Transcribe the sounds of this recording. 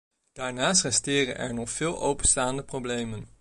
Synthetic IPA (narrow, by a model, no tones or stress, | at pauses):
d̥aːɹnaːstrɛstɪːrə̰nʔɛ̰ɹnɔχfɪːlˠʔowpənstaːndəprowblejmən